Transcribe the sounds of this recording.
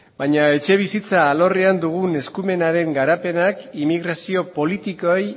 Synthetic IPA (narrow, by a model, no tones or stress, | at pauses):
baɲae̞t͡ʃe̞β̞isit͡saːlo̞riand̪uɣ̞une̞skume̞naɾe̞ŋɡaɾape̞nakimiɣ̞ɾasio̞po̞lit̪ikoej